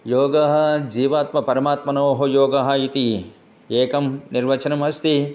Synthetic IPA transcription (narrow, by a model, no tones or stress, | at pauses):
joːɡɐɦɐ̆d͡ʒiːʋaːt̪mɐpɐɾɐmaːt̪mɐnoːɦɐjoːɡɐɦɐ̆it̪i | eːkɐmniɾʋɐt͡ʃɐnɐmɐst̪i